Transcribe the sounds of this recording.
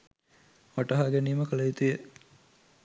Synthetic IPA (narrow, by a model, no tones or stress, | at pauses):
ʋaʈɐɦaɡeniːməkəlɐjit̪ujə